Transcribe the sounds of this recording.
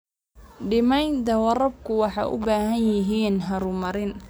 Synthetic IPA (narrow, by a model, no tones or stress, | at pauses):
ɖɪmɛjnt̪ɐwɐɾɐb̚kʰʊwɑħɑjʔʊ̰baːɦɐnjɪɦiːnɦɐɾʊmɐɾɪn